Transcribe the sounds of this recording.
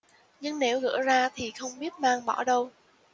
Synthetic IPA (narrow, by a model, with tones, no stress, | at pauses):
ɲɨ˧ŋne˨˦wɣɨ̰˧˥zaː˧t̪ʰi˨˩xə˧wŋ͡mɓi˦˥ət̚maː˧ŋɓɔ˧˩ɗə˧w